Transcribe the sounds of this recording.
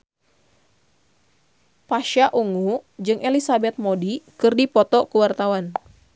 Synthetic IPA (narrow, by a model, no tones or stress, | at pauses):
paʃaʔuŋud͡ʒɨŋʔelisabɛt̪̚modikɨrdipɔt̪ɔkəwart̪awan